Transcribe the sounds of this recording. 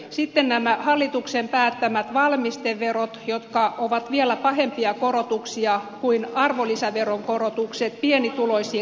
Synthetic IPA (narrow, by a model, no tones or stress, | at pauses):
sit̪ːennæmæhɑlːit̪uksempæːt̪ːæmæt̪ʋɑlmist̪eʋːerot̪jot̪kɑʔoʋɑt̪ʋielæpɑhempiɑkoɾot̪uksiɑkuinɑrʋolisæʋeroŋkorot̪ukset̪̚pienit̪uloisiː